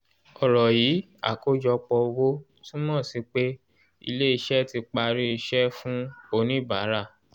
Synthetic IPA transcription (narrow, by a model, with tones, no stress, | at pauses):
ɔ˨ɾɔ˨jiː˨˦ | a̰˦˨ko˦d͡ʒɔ˧k͡pɔ˧wo˦ | tũ˦mɔ̃˦˨si˨˧k͡pe˦ | ḭ˧le˦i˧ʃɛ˦ti˧k͡pa˧ɾi˦i˧ʃɛ˦fũ˦o˧nĩ˦˨ba˨˦ɾa˦˨